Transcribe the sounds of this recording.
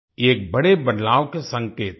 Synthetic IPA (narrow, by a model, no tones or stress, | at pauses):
eːk̚bɐɽebɐd̪laːʋkesɐ̃ŋkeːt̪